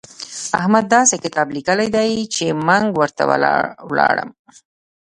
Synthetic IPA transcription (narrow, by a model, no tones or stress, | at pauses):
a̰hmad̪ːɑsekɪt̪ɑblikəlajd̪ajt͡ʃeməŋɡwəɾt̪a̰wwlɑɽə̰m